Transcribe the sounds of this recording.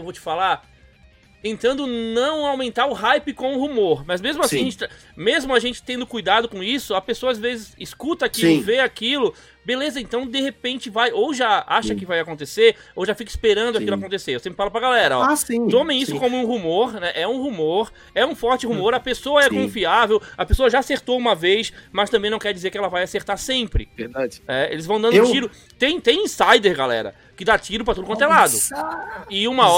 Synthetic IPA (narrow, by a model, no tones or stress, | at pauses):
ewvowt͡ʃɪ̥fala | t̪ẽnt̪ɐ̃nd̪ʊnɐ̃w̃awmẽnt̪aɾʊɦajpɪkõũhumoɾmɐzmezmʊasiĩɐʒẽnt͡ʃɪa | mezmʊaʒẽnt͡ʃɪ̥t̪ẽnd̪ʊkujd̪ad̪ʊkõisʊɐpesoɐazvezɪsiskut̪ɐakilʊveakilʊ | belezɐẽnt̪ɐ̃w̃d̪ehepẽnt͡ʃɪvajowʒaa̰ʃɐkɪvajakõnt̪ese | owʒafikɪspeɾɐ̃nd̪ʊakilʊakõnt̪eseɾewsẽmpɾɪfalʊpɾɐɡalɛɾɐɔsĩt̪õmẽisʊkõmʊũɦumoɾnɛʔɛũhumoɾ | ɛũfɔɾt͡ʃɪhumoɾɐpesoɐɛkõfiavewɐpesoɐʒaːseɾt̪owũmɐvejsmɐst̪ɐ̃bẽj̃nɐ̃w̃kɛɾd͡ʒizeɾkɪɛlɐvajaseɾt̪aɾsẽpɾɪ̰veɾd̪aɪnɛḛlɪzvɐ̃w̃d̪ɐ̃nd̪t͡ʃiɾʊ | t̪ẽj̃t̪ẽj̃ĩsajd̪eɾɡalɛ̰ɾɐ̰ | kɪd̪at͡ʃiɾʊp̬ɾɐt̪ud̪ʊkõt̪elad̪ʊ | ɪũmɐɔ